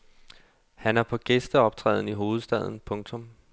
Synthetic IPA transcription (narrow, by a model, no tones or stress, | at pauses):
hænæɐpʰɒ̽ɡ̥esd̥əɒ̽b̥̚t͡sʰʁɛ̰ːðˠn̩iɦo̝ːð̞̩ˠsd̥ɛð̞̰ˠn̩pʰɔ̽ŋt͡sʰɔ̽m